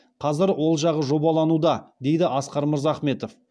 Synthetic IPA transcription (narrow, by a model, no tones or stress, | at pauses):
qʰɑzɪɾwo̞lˠʒɑʁəʒo̞bɑlˠɑnud̪ɑd̪e̞jd̪ɪʔɑsqɑɾməɾzɑːχme̞t̪o̞f